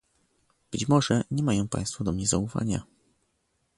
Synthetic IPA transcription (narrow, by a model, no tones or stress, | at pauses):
b̥ɘt͡ɕmɔʐɛɲɛmajɔ̃w̃pa̰j̃st̪fɔd̪ɔmɲɛzaufa̰ɲa̰